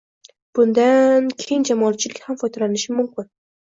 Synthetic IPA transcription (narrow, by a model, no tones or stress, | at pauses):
b̥ʊnd̪ankʲʰejɪnd͡ʒamɒat͡ʃʰɪlɪkʲhamfɒjd̪alanɪʃɪmʊmkʲʰɪn